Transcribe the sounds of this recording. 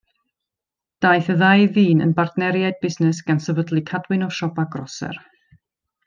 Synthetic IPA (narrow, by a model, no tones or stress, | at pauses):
d̥ajθəðajviːnə̰nbardnɛɾjaɨd̚bɪsnɛsɡ̥ansəvədlˠikʰadwɨnɔʃɔbaɡrɔsɛ̰r